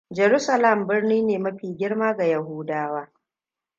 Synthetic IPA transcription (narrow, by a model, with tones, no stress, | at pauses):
d͡ʒɛ˨ɾu˦sɐ˨lɐ˦˨mbɪ˦rniː˦neː˨mɐ˦ɸiː˨ɡʲɪ˦ɽmaː˦ɡa˨jɐ˨ɦuː˦daː˦waː˦